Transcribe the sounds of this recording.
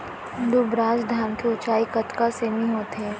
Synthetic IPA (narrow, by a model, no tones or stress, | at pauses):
d̪ubɾaːzd̪ʱaːɾmkeʊt͡ʃaːikɐt̪kaseːmĩɦoːt̪ɦɛː